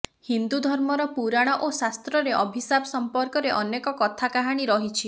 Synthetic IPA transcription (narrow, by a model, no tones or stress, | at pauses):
hind̪ud̪ʱɔɾmɔɾɔpuɾaɽ̃ɔʔosast̪ɾɔɾeʔɔbʱisabɔsɔmpɔɾkɔɾeʔɔnekɔkɔt̪ʰakaɦaɽ̃iɾɔɦit͡ʃʰi